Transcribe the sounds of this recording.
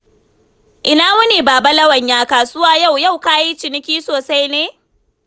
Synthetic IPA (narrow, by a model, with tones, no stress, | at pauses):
ʔɪ˦naː˦mʊ˦niː˨baː˨ba˦lɐ˦wɐ˨ɲjaː˦kaː˨sʊ˦waː˦ja˦˨wja˦˨wkaː˦ji˦t͡ʃɪ˨nɪ˦kʲiː˦soː˨sa˦jneː˦